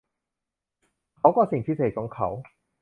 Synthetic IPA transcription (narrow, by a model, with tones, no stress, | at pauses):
kʰa˨˥kɔː˧si˨˩ŋt͡s̪ʰiː˧˥sʰkɔ˨˥ŋkʰɐ̰˨˩˥w